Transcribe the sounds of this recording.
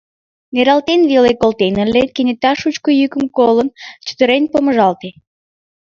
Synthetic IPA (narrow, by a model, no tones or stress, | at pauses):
neɾɑlt̪enβelekolt̪enəlekenʲet̪ɑʃut͡ɕkojykəmkolənt͡ɕə̥t̪əɾenpoməʒɑlt̪e